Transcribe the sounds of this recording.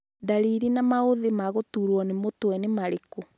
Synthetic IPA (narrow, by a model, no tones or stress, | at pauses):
daɾiɾinamaoðemaɣotuːɾwɔnemotwɛnemaɾeko